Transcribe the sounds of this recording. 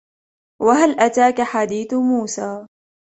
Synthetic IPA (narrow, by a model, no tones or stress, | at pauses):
waɦalʔat̪aːkaħad̪iːθmuːsaː